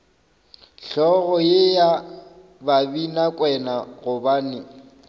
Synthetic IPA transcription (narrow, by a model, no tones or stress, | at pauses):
ɬɔɣɔjeja | babinakʼwɛnaɣʊbaːnɪ